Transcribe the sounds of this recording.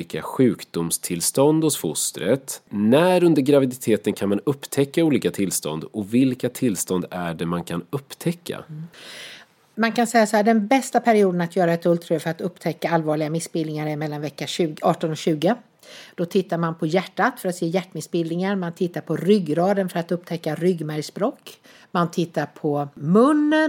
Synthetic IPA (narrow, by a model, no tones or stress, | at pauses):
iːka̰ɧʉ̟ːkd̪ʊmst̪ʰɪlst̪ɔnd̪hɔsfʊst̪ɾət̪næɾɵnd̪əɾɡɾavɪd̪ɪt̪ʰeːt̪ənkʰanmanɵpːt̪ʰɛkːauːliːkat̪ʰɪlst̪ɔ̰nd̪ɔvɪlkat̪ʰɪlst̪ɔnd̪æɖɛmankʰanɵpːt̪ʰɛkʰːa̰ | mankansɛjːasɔhæːɖɛnbɛst̪apʰæɾɪuːd̪ənat̪jœːɾaɛt̪ɵlt̪ʰɾɵːfœɾat̪ɵpːt̪ʰɛkːaalvɑːɭɪɡamɪsbɪld̪nɪŋaɾɪmɛlːanvɛkːaʉːɑːʈɔnɔɕʉ̟ːɡə | d̪̥ɔt̪ʰɪt̪ːaɾmanpʰɔjæʈːat̪fœɾat̪seːjæʈːmɪsbɪld̪ɪŋaɾmant̪ʰɪt̪ːaɾpʰɔɾʏɡːɾɑːd̪ənfœɾat̪ɵpːt̪ʰɛkːaɾʏɡːmæɾspɾoːkː | mant̪ʰɪt̪ːaɾpʰɔmɵnːən